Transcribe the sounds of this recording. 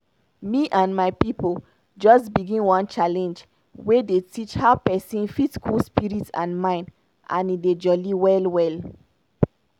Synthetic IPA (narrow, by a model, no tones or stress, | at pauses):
miʔãnmajpipəl | d͡ʒɔstbiɡĩnwɔ̃nt͡ʃalɛ̃nd͡ʒ | wedetʰit͡ʃhaʊpɛsĩnfitskʰulspiɹitsã̰nmãɪ̃n | ʔã̰nided͡ʒɔliwɛlwɛl